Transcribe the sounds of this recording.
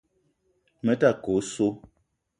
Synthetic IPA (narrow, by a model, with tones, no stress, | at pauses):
mə˦ta˦˨ko˨˦so˦